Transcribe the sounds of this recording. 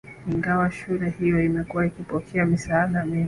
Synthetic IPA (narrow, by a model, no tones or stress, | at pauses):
iŋɡawaʃuɾɛhijɔimɛkuwaikipɔkʰɛamisaːɗamii